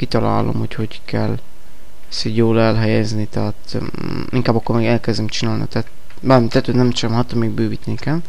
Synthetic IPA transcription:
kit̪ɒla̰ːlo̞̰muchockɛl | ɛsiɟjoːlɛlɦɛjɛznit̪ɛːt̪ | iŋkaːbɒkːormeːɡɛlkɛzd̪ymt͡ʃinaːlnḭt̪ɛt̪ | baːrmt̪ɛt̪øːd̪nɛmt͡ʃɛmɦat̪ːomiːɡbøːvit̪nikɛl

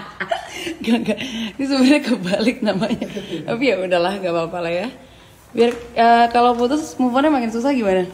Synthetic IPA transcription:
ɡaɡadis̬əmurɲakəbalɪk̚namaɲaapijaudalahŋɡabapalaja | biarəkalawfut̪ʊsmufɔrɲamakɪns̬us̬ahɡimana

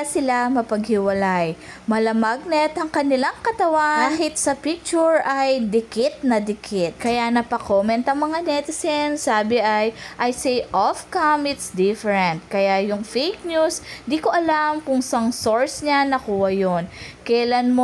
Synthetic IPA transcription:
sɪlamɐpɐɡhɪwɐlaj | mɐlɐmaɡ̚nɛt̪ɐŋkɐnɪlaŋkɐt̪ɐwanaːhɪt̪̚sɐpik̚t͡ʃʊɹɐjd̪ɪkɪt̪̚nɐd̪ɪkʰɪt̪̚kɐjanɐpɐkomɛnt̪ɐŋmɐŋanɛt̪ɪsɛnsaːbɪʔajʔɐjsɛjʔofkamɪt̪sd̪ɪfɛɹɛnt̪̚kɐjajʊŋfejk̚ɲusd̪ikoʔɐlamkʊŋsɐŋsoɹsɲanɐkuːhɐjonkɛjlanmo

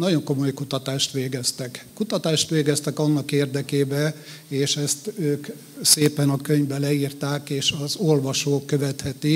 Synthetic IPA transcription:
nɒɟo̞ŋko̞mo̞jkut̪ɒt̪aːʃt̪ʋeːɡɛst̪ɛkkut̪ɒt̪aːʃt̪ʋeːɡɛst̪ɛkɒnːɒkeːrd̪ɛkeːbɛ | eːʃɛst̪øːk | seːpɛnɒkøɲvbɛlɛiːrt̪aːkeːʃɒzolʋɒʃoːkːøvɛt̪hɛt̪i

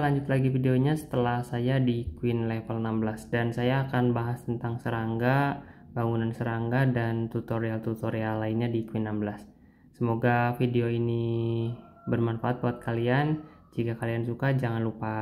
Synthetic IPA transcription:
laɲd͡ʒʊt̪laɡifideoɲasə̥t̪əlahsajadikwɪnlefəlnambəlasdansajaːkanbaɦast̪ənt̪aŋsəɾaŋɡa | baŋunansəɾaŋɡadant̪ut̪oɾialt̪ut̪oɾialːainɲadikwɪnːambəlasː | əmoɡafideoini | bərmanfaːt̪̚buat̪̚kalian | d͡ʒikakaliansukad͡ʒaŋanlupa

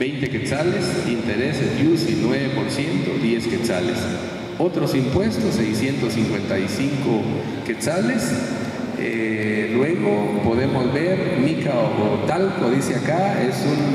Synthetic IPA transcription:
bejnt̪eket͡salesint̪eɾesesusinweβepoɾsje̞nt̪oðje̞sket͡sa̰lḛs | ot̪ɾosimpwe̞st̪osːejsjent̪osiŋkwe̞nt̪ajsiŋko | ket͡sales | elweɣopo̞ðemozβeɾmikaoot̪alkoðiseakaesun

